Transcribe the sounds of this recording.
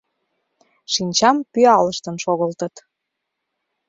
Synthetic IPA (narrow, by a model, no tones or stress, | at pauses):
ʃinʲt͡ɕɑmpyɑləʃt̪ənʃoɣəlt̪ət̪